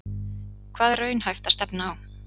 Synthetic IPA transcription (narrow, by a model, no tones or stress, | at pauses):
kʰvaːðrœːɥnhajft̪ast̪ɛpnaaːw